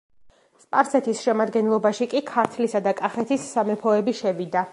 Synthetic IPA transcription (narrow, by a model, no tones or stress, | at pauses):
spʼaɾsɛt̪ʰisʃɛmad̪ɡɛnlˠɔbaʃikʼikʰaɾt̪ʰlisad̪akʼaχɛt̪ʰisːamɛpʰɔɛbiʃɛvid̪a